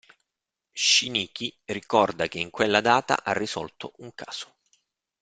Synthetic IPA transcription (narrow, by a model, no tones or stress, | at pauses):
ʃiniːkirikɔrd̪akeiŋkwelːad̪aːt̪a̰ʔarːisɔ̰lt̪oʔuŋkʰaːz̥o̥